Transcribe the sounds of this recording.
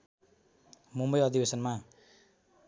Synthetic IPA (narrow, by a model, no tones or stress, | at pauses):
mumbʌjʌd̪ibesʌnma